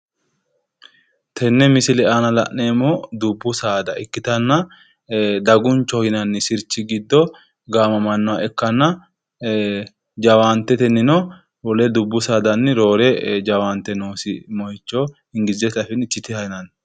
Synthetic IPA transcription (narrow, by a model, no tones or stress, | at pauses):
t̪ʰɛnːɛmɪsɪlɛʔanɐlɐʔːeːmɔd̪ʊbːʊsaːd̪ɐɪkːɪt̪ɐnːɐ | d̪ɐɡʊnt͡ʃːɔhɪnɐnːɪsɪɾt͡ʃːɪɡɪd̪ːɔ | ɡaːmɐmɐnːɔwaɛkːɐnːɐ | d͡ʒɐwaːnt̪ːɛt̪ɛnːɪnɔ | wɔlɛd̪ʊbːʊsaːd̪ɐnːɪɾo̞ːɾɛd͡ʒɐwaːnt̪ːɛnoːsɪmɔjɪt͡ʃːɔ | ɪŋɡɪzɛt̪ɐfɪnɪt͡ʃːɪt̪ɪhɐjɪnɐn